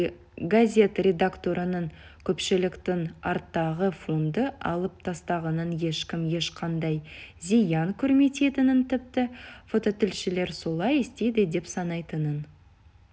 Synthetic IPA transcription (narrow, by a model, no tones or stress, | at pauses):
ɡazʲe̞t̪rʲe̞d̪akt̪o̞ɾʔənəŋkʲʰɵpʃɪlɪkt̪ɪŋɑɾt̪ːɑʁəfo̞nd̪əɑ̰lˠəp̚t̪ʰɑst̪ɑʁɑnənje̞ʃkʲɪmje̞ʃqʰɑnd̪ɑjzijɑŋkʲʰʏɾme̞t̪e̞t̪ɪnɪnt̪ʰɪp̚t̪ɪfo̞t̪o̞t̪ɪlʃɪle̞ɾso̞lˠɑjest̪e̞jd̪ɪd̪e̞psɑnɑjt̪ənən